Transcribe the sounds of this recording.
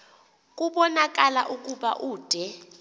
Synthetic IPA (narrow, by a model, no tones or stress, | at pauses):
k̬ʼuɓɔnak̬ʼala̰ʔukʼuɓa̰ʔuːd̥ʱɛ